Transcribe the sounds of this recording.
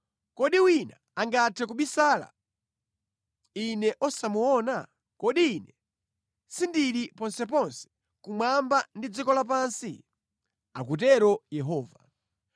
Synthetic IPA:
kɔɗiwina | aŋɡatʰɛkuɓisaːla̰ | inɛʔɔsamuɔna | kɔɗiːnɛ | sindiɾipɔnsɛpɔnsɛ̥ | kumambandid͡zikɔlap̬aːnsḭ | akutɛɾɔjɛɦɔːva

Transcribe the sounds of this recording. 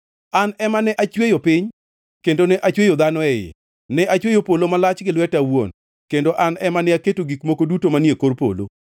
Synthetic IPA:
anɛmanɛʔat͡ʃwejopɪɲ | kendonɛʔat͡ʃwejod̪anɔɛjḛ | nɛʔat͡ʃwejopolomalat͡ʃɡɪlwɛtawon | kendoʔanɛmanɛaketoɡikmokodutomanjekorpo̰lo̰

